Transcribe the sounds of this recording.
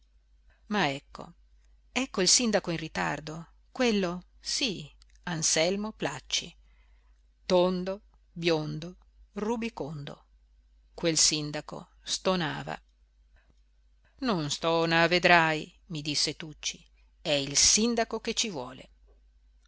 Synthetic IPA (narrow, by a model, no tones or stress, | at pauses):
maɛkʰːo̰ | ɛkːoilsind̪akoinrit̪a̰rd̪o | kwelːo | si | ansɛlmoplat͡ʃːḭ | t̪ond̪o | bjond̪o | rubikond̪o̰ | kwelsind̪ako̰ | st̪ona̰ːva̰ | nonst̪ɔːnaved̪ɾaj | mid̪isːet̪ut͡ʃːi | ɛilsind̪akok̟et͡ʃːivwɔːlḛ